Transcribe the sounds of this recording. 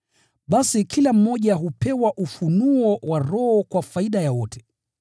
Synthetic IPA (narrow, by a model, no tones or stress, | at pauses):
ɓasikilam̩mɔʄaɦupɛwaʔufunuɔwaɾɔhɔkwafaiɗajawɔtʰɛ̥